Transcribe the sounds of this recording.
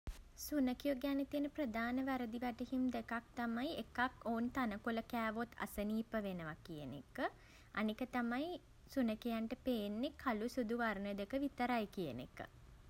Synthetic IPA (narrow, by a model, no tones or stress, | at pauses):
sunəkijoɡanet̪ijənəprəd̪aːnəʋæɾəd̪iʋæʈeɦimd̪ekak̚t̪amajekakoːnt̪anəkuləkæːʋot̪ʰa̰səniːpəʋenəʋakijənḛkə | a̰nikət̪amaj | sunəkijaɳʈəpeːnːekʰːalusud̪uʋarnəd̪ekəʋit̪əɾajkijənḛkə̰